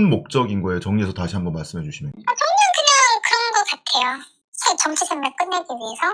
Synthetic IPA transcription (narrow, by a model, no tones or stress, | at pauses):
nmok̚t͡ɕ͈ʌɡinɡʌet͡ɕʌŋɲiesʰʌtaɕʰiɦambʌnmaɭs͈ɯmɦe̞d͡ʑuɕʰimjʌ̰nat͡ɕʌŋɲaŋkɯɲaŋkɯɾʌnɡʌk͈atʰe̞jo | sʰaɕiɭt͡ɕʌmt͡ɕʰid͡ʑʰeŋmaɭk͈ɯnːeɡiɥie̞sʰʌ